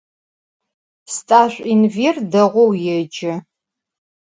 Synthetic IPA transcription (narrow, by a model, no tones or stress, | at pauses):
stʼaːɕʷʼinverdɐʁʷɔwjɛd͡ʒɪ